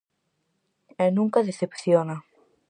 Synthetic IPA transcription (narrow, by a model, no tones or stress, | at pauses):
ɛnũŋkaðeθepθjona